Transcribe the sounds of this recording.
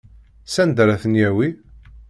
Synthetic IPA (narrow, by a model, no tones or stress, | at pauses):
sænd̪ɾæθənjæwi